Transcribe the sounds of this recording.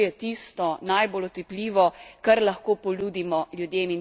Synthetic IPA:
jɛt̪ist̪ɔnajbolɔt̪iplʲiːʋɔkɐɾlɐxkoːpɔluːd̪imɔlʲjud̪jeːmin

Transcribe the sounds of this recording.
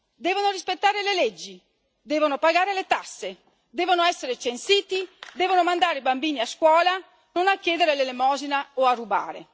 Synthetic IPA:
d̪ɛːvonorispet̪ːaːɾeleled͡ʒːi | d̪ɛːvonopaɡaːɾelet̪asːe | d̪eːvonoɛsːeɾet͡ʃensiːt̪id̪ɛːvonomand̪aːɾeibambiːniaskwɔːla | nonakːjeːd̪eɾelelemɔːzinaoarːuba̰ːɾḛ

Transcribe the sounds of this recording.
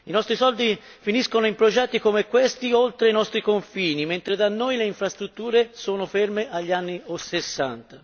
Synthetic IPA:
inɔst̪ɾisɔld̪i | finiskonoimpɾod͡ʒɛt̪ːikomekːwest̪iolt̪ɾeinɔst̪ɾikoɱfiːniment̪ɾed̪anːojleiɱfɾast̪ɾut̪ːuːɾesoːnofermeʔaʎːianːiosesːa̰nt̪a

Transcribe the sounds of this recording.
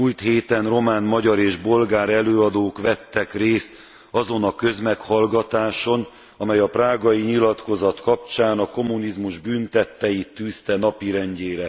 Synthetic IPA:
muːlt̪heːt̪ɛnro̞maːnmɒɟɒɾeːʒbo̞lɡaːɾɛløːɒd̪oːkʋɛt̪ːɛkreːst̪ | ɒzo̞nɒkø̞zmɛkhɒlɡɒt̪aːʃo̞n | ɒmɛjɒpraːɡɒjiɲilɒt̪ko̞zɒt̪kɒp̚t͡ʃaːnɒko̞mːunizmuʒbyːnt̪ɛt̪ːɛjit̪ːyːst̪ɛnɒpiɾɛɲɟeːɾɛ

